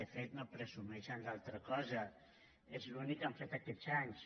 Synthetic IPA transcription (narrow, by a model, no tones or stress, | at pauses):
əfet̪nopɾezumɛʃənlalˠt̪ɾəkɔzə | ezlunikːaɱfet̪akɛzaɲs